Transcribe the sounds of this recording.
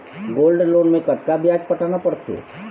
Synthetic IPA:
ɡoːlɖloːnmẽkɐt̪kabʱijaːd͡ʒpɐʈaːnapɐɽt̪ʰḛː

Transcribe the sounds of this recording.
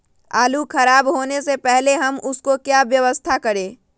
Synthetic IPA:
aːlukʰɐɾaːbɦoːnesepɛɦleɦɐmʊskokjaːʋjɐʋəst̪ʰakɐɾẽː

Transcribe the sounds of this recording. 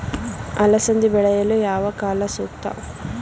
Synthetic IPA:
ɐlɐsɐnd̪ibɛɭɐjɐlujaːʋɐkaːlɐsuːkt̪ɐ̰

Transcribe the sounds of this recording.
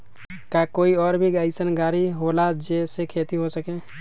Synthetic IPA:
kakoːiɔːɾbʱiɡaisənɡaːɾiɦolad͡ʒeːsekʰeːt̪iɦosəkẽː

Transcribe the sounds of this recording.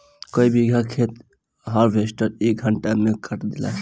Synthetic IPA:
koibiɡʱakʰet̪ | ɦəɾbʱesʈəɾek̚ɡʱəɳʈamekʰəʈd̪ila̰

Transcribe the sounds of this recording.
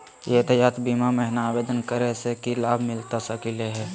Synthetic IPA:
jet̪əjaːt̪biːmamɛɦnaːbeːd̪ənkəɾesekilaːbʱmɪlt̪asəkileɦɛː

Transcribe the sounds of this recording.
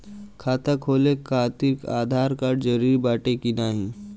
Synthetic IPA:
kʰaːt̪əkʰoːlekʰaːt̪ika̰ːd̪ʱaːɾkaɖd͡ʒəɾiɾbaːʈekinaːɦi

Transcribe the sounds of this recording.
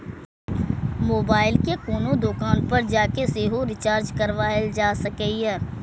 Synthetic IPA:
moːbaːɪlkekoːnõd̪oːkaːnpɐɾd͡ʒaːkeseːɦoɾɪt͡ʃaːɾd͡ʒkɐɾʋaːeld͡ʒaːsɐkɛːɛː

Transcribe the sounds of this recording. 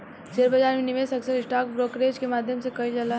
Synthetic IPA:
seɾbəd͡ʒaːɾmeniʋesɐksəɾɪsʈaːk̚bɾoːkɾeːd͡ʒkemaːd̪ʱjəmsekɐid͡ʒəla

